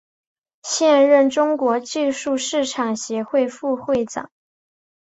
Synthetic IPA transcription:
ɕjɛ˥˧nɻə˥˩nʈ͡ʂʊ˥ŋkwɔ˧˥t͡ɕi˥˧ʂu˥˧ʂɻ̩˥˩ʈ͡ʂʰɑ˨˩ŋɕjɛ˧˥xwe˥˧ɪfu˥˧xwe˥˩ɪʈ͡ʂɑ̰˨˩˦ŋ

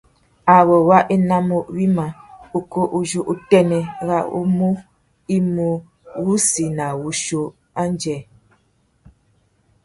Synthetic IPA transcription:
a˨wɔ˨wa˦ʔe˦na˦mo˦wi˦ma˨u˨ko˦ʔu˦d͡ʒo˦ʔu˦tɛ˦nɛ˨ɣa̰˦ṵ˦mu˦ | i˦mu˨ | ɣu˦si˨na˨wu˨ʃo˦ | a˦n˦d͡ʒɛ˨

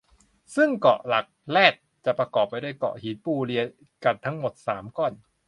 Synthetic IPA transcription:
sɯ˥˩ŋkɔ̰˨˩ʔla˨˩k̚lɛː˥˩t̪̚t͡ɕa˨˩ʔpɾa˧kɔː˨˩pːa˧jdu˥˩ə˨jkɔ̰˨˩ʔhiː˨˩˦n̚puː˧˩li˧ə | ka˧˩nt̪ʰa˦˥ŋmo˨˩t̪̚saː˩˦mkɔː˨˩n

